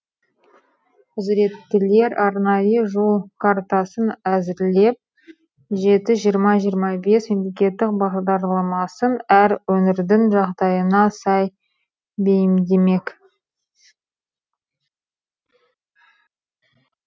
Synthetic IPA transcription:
qʊzɾe̞t̪ːɪle̞ɾɑɾnɑjəʒulˠkʰaɾt̪ɑsənæzɪɾle̞p̚ | ʒe̞t̪ɪʒijəɾmɑʒijəɾmɑbe̞sme̞mle̞kʲe̞t̪ːɪk̚bɑʁd̪ɑɾlˠɑmɑsənæɾwɵnɪɾd̪ɪŋʒɑʁd̪ɑjənɑsɑj | be̞jɪmd̪e̞me̞k

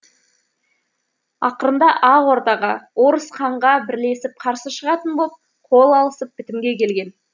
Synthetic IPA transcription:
ɑ̰qəɾənd̪ɑʔɑwo̞ɾt̪ɑʁɑwo̞ɾəsqʰɑɴʁɑbɪɾle̞sɪp̚qʰɑɾsəʃəʁɑt̪ənbolˠəp̚ | qʰo̞lˠɑlˠəsəp̚bɪt̪ɪmɡʲe̞kʲʰe̞lɡʲe̞n

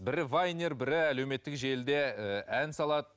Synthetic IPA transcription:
bɪɾɪvajnʲeɾbɪɾɪælewme̞t̪ːɪkʒe̞ld̪e̞əʔænsɑlˠɑd̪ə

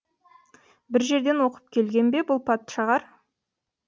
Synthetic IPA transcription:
bɪɾʒe̞ɾd̪e̞nwo̞qə̥p̚kʲʰe̞lɡʲe̞nbe̞bʊlˠpʰɑt̪ʃɑʁɑɾ

